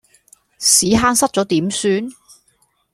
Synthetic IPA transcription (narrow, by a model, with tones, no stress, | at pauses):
siː˨˥ɦaː˥nsɐ˥t̚t͡sɔː˨˥t̪iː˨˥msyː˨˥n